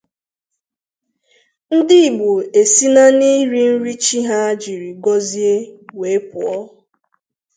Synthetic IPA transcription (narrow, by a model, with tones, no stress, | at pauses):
n̩˦dɪ˦˨ɡ͡bu˨e˨si˦na˦ni˦ɾi˦n̩˦ɾi˦t͡ʃi˦ɦa˦a˦d͡ʒi˨ɾi˨ɡɔ˦zi˦e˦we˨˦pʊ˨ɔ˦